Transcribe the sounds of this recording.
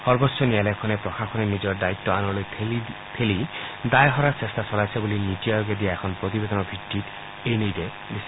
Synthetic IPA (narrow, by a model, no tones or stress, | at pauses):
sɔɾbɔsʰɔnialakʰɔnepɾɔxʰakʰɔnenid͡ʒɔɾɖait̪ːɔanɔlojʰ | pʰelid̪ajɔɦɔɾasest̪ʰasɔlajsʰɔbulinit̪iajoɡed̪ijaekʰɔnɔpɾot̪ibed̪ɔnɔbʱidiʈ | ejnijɾe | d̪isi̥